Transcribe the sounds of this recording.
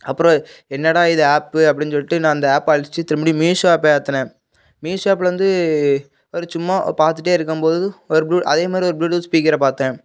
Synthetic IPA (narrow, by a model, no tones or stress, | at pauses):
ɐpːɯɾõɛnːɐɽaːɪðɐaːpɯɐpːɐɽɪnsɔɭːɪʈːɯnãːɐnd̪ɐaːpːɐːɻɪsɪt͡ʃːɯt̪ːɪɾɐmɐːɽimiːsaːpːɾt̪ːɐnẽː | miːsaːp̬ːʋɐnd̪ɯ | ɔɾɯt͡ʃʊmːapaːɾt̪ːɯʈ̬ːeːɪɾɯk̬ːɯmpoːðɯɔɾɯbluːʔɐðeːmaːd̪ɾiɔɾɯbluːʈuːspiːkɪɾɐpaːɾt̪ẽː